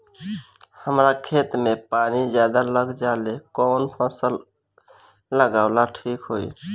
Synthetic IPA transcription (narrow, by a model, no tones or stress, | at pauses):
həmɾakʰet̪mepaːnizjad̪aləɡd͡ʒalekɔnpʰɔsəl | ləɡaːʊlaʈʰiːkɦoḭ